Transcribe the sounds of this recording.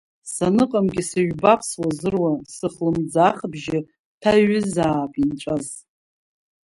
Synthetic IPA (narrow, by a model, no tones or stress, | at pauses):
sanɨqʼamɡʲɪsɨɥbapʰswazɨrwasɨχlɨmd͡zaχbʒɪ | tʰaɥɪzaːpʼint͡ʃʷʼaz